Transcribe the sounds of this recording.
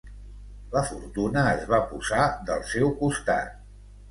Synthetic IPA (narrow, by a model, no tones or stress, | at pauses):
ləfuɾt̪unəːzβapuzad̪ə̰lˠsɛwkust̪a̰t̪̚